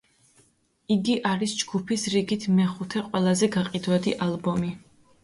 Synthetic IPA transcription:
iɡiʔaɾisd͡ʒɡupʰisɾiɡit̪ʰmɛχut̪ʰɛqʼwɛlˠazɛɡaqʼid̪wad̪iʔalˠbɔmi

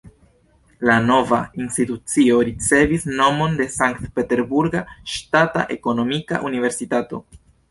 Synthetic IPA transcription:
lano̞vainstitut͡sio̞ɾit͡se̞visno̞mo̞nde̞saŋktpe̞te̞ɾbuɾɡaʃtata̰ʔe̞ko̞no̞mika̰ʔunive̞ɾsitato̞̰

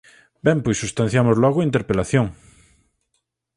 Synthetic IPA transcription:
bempwesust̪ãn̟θjamozlwoɣoint̪eɾpelaθjoŋ

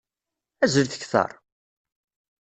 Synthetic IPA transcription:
æzəlθə̥çθɑ̰ɾˤ

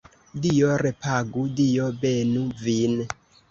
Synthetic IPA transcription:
dijoɾepaɡudijobenuvin

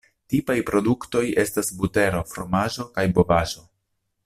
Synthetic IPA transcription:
tipajpɾo̞dukto̞je̞stasbute̞ɾo̞fɾo̞maʒo̞kajbo̞vaʒo̞

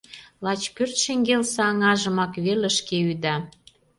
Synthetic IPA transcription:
lɑt͡ɕkørt̪ʃeŋɡelsɑɑŋɑʒə̆mɑkβelə̆ʃkeyd̪ɑ

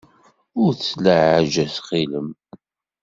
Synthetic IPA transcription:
ʊɾθsləʕaʒæsχiləm

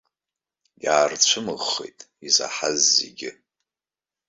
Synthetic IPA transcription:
ɡʲaːrt͡ɕʷʰɨmɨʁːejtʼiza̰ħazːḛɡʲɪ

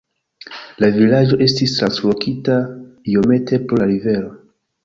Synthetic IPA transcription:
lavilad͡ʒo̞ʔe̞stistɾanslo̞kʰitaio̞me̞tʰe̞poaɾive̞lo̞

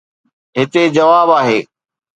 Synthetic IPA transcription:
ɦɪt̪ed͡ʑɐʋaːbaːɦeː

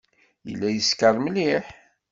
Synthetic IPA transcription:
jə̰lːæjəskəɾˤmliħ

